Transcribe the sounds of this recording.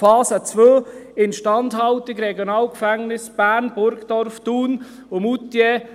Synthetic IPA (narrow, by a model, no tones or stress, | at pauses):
fɑːsət͡svøːɪnʃtɑndhɑltɪkɾɛɡjonɑːlkfæŋnɪsb̥æːɾnb̥ʊɾɡd̥ɔɾftuːn | ʊmutːje